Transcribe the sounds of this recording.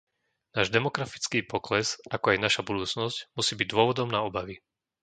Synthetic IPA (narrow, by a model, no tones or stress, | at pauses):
naːʒd̪ɛmɔkɾafi̥t͡skiːpɔklɛzakɔajnaʃabud̪uːt͡snɔscmusiːbiɟ̚d̪ʊɔʋɔd̪ɔmnaɔbaʋi